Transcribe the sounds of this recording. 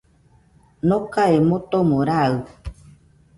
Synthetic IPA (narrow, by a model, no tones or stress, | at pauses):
nõkaemõt̪omõɾaɨ